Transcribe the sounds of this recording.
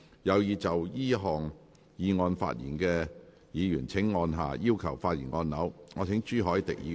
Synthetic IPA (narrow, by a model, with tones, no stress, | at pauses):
jɐ˨˧wjiː˨˧t͡sɐ˨wjiː˥ɦɔː˨ŋ | jiː˨˧ŋɔː˧nfa̰ː˧t̚jḭː˨˩nkɛ˧ | jiː˨˧jyː˨˩nt͡sʰɪ˨˥ŋːɔː˧nɦa̰ː˨jiː˥wkʰɐ˨˩wfaː˧t̚jiː˨˩nŋɔː˧nːɐ˨˥wŋɔː˨˧t͡sʰɪ˨˥ŋt͡ʃyː˥ɦɔː˨˥jt̪ɪ̰˨k̚jḭː˨˧